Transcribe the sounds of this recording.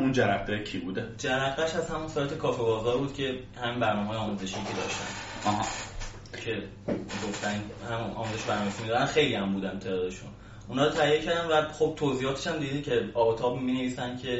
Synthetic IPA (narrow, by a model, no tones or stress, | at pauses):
und͡ʒæɾæχd̪ecʰibud̪ed͡ʒæɾæɡːæʃæzhæmunsɒjt̪ʰe̞kʰɒːfebɒːzɒːɾbuːd̪cʰe̞ | hæminbæɾnɒːmeɦːjeɒːmuze̞ʃijicʲʰed̪ɒ̰ːʃt̪æ̰nɒɦɑ | cʰe̞ | ɡoft̪ænnhæmunʔɒ̰ːmuze̞ʃobæɾnɒːmesimid̪ɾænxe̞jliæmbuːd̪ænt̪ʰed̪ːɒd̪eʃṵn | unɒːɾot̪ʰæjːecʰæɾd̪ænvæxob̥̚t̪ʰoːziːhɒːt̪ʰeʃæmd̪id̪icʰe̞ɒːbet̪ʰɒːbmine̞viːsænd̪cʰe̞